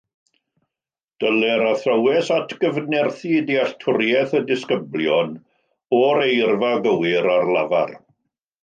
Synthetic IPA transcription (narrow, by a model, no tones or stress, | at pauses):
d̥əlɛɾaθrəwɛsatʰɡ̥əvnɛrθidiaɬtʰʊɾjɛθədɪskəbljɔn | ɔɾejrvaɡəwɪɾarlˠava̰r